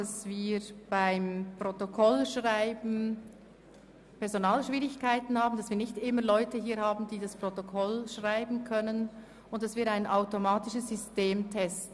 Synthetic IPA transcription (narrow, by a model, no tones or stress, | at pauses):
asv̥iːb̥aɪmpʁ̥otokʰɔlʃʁaɪbn̩ | pɛɐzonaːlʃv̥iːʁɪçkaɪtn̩haːbn̩d̥asv̥iːɐnɪçtʔɪmɐlɔʏtəɦiːɐhaːbn̩diːdaspʁ̥otokʰɔlʃʁaɪbn̩kʰœnən | ʊntd̥asviːɐɾaɪnʔaʊtomaːtɪʃəsz̥ʏsteːmtʰɛstn